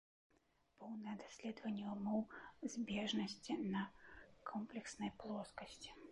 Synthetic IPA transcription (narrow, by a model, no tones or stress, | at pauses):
pɔwnɨɐd̪asʲlʲɛd̪vɐnʲːɛmɔwzʲbʲɛʐnɐsʲt͡sʲinɐkʰɔmplʲɛksnɐjplˠɔskɐsʲt͡sʲi̥